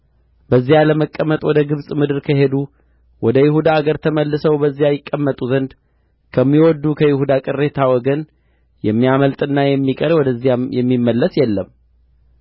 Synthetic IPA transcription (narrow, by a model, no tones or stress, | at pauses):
bəzːijaləməkʼːəmːət̪ʼwɔd̪əɡɨβsʼmɨd̪ɨɾkʰəɦe̞d̪u | wɔd̪əjɪɦud̪aːɡəɾt̪ʰəməlːɨsəwbəzːijajɪkʼːəmːət̪ʼuzənd̪ | kʰəmːiwɔd̪ːukʰəjɪhud̪akʼɨrːe̞t̪ʰawɔɡən | jɛmːijaməlt̪ʼɨnːajɛmːikʼəɾwɔd̪əzːiajɛmːimːəlːəsjɛlːəm